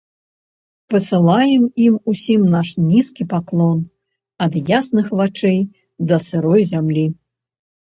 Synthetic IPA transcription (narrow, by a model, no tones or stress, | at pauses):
pɐsɨlˠajɛmimusʲimnaʂnʲiskʲipaklˠɔn | ɐd̪jasnɨxvat͡ʂɛj | d̪ɐsɨɾɔjzʲamlʲi